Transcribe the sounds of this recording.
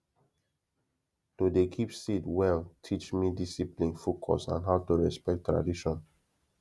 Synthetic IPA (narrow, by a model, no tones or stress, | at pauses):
todekʰipsitwɛltʰit͡ʃmidisiplĩnfokʰɔ̰sãnɦaʊtuɹɛspɛk̚tːɹa̰diʃɔ̃n